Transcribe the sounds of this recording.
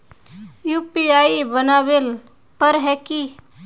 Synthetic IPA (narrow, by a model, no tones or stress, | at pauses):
juːpiaːibənaʋɪl | pəɾɦɛːki